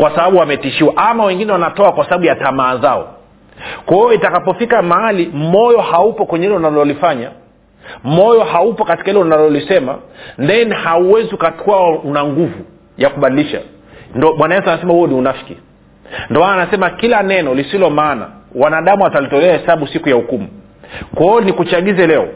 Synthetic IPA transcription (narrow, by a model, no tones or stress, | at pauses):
kwasaɓaɓuwamɛtiʃiwaʔamawɛŋɡinɛwanatɔakwasaɓaɓujatamaːzaɔ̰ | kaɔitakapɔfikamaalimɔjɔhaupɔkwɛɲɛilɛunalɔlifaɲa̰ | mɔjɔhaupɔkati̥kailɔnalɔlisɛma̰ndɛnhauwɛziukatʰɔaunaŋɡuvu | jakuɓaɗiliʃa̰ | ndɔmwanajɛsuanasɛmahuɔniunafi̥ki | ndɔmanaːnasɛmakilanɛnɔlisilɔmaːna̰wanaɗamuatalitɔlɛahɛsaɓusikujaukumu | kwɛɔnikut͡ʃaɠizɛlɛɔ̰